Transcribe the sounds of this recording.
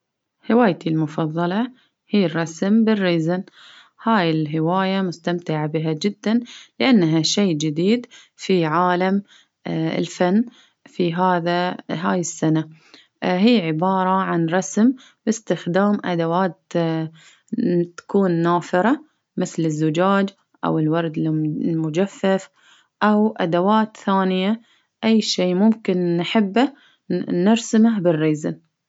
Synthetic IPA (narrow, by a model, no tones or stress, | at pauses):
hɪwaːjt̪ʰilmʊfɑðˤːɑlɑ | hiːrˤːɑsmbɪrːiːzan | haːjɪlɦɪwaːjamʊst̪amt̪ɪʕabɪɦad͡ʒɪd̪ːanlɪʔanːaɦaʃeːd͡ʒɪd̪iːd̪ | fiʕaːlam | ɪ̰lfanː | fiɦaːðaɦaːjɪsːana | ɦiːʕɪbɑːɾˤɑʕanɾˤɑsm | bɪst̪ɪxd̪aːmʔa̰d̪awaːt̪ | t̪ḁkuːnːaːfɪɾˤɑ | mɪθlɪzːʊd͡ʒaːd͡ʒ | ʔa̰wɪlwɑɾˤd̪lmʊd͡ʒafːaf | ʔawʔa̰d̪awaːt̪θaːnɪja | ʔajːʃeːmʊmkɪnːħɪbːa | nɪɾsmahbɪrːiːzɪn